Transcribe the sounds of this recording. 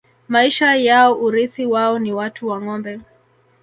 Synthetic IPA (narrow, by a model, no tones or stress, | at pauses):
maiʃajaɔʔuɾiθiwaɔniwatuwaŋɔmbɛ